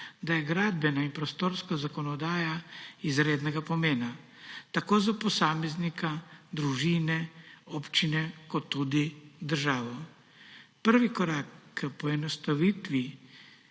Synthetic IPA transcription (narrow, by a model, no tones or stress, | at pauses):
d̪ajɛɡɾaːd̪bɛnaimpɾɔst̪oːɾskazakɔnɔd̪aːjaizɾeːd̪nɛɡapɔmeːna | t̪akoːzapɔsaːmɛznikad̪ɾuʒiːnɛɔpt͡ʃinɛkɔt̪ːud̪id̪əɾʒaːʋɔ | pəɾʋikɔɾaːkːəpɔɛnɔst̪aʋiːt̪ʋi